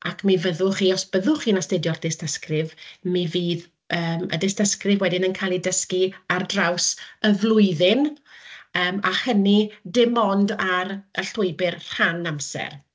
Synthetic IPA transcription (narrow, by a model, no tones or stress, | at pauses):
akʰmivəðʊχiːɔsb̥əðʊχiːnastedjɔrd̥ɪstʰəskrɪvmiviːð | əːmə̰dɪstəskrɪvwɛdɪnənkʰalˠidəskiardrawsəvlˠʊɨðɪn | əːmaχənidɪmɔndaɾəɬʊɨbɪrr̥anamsɛ̰r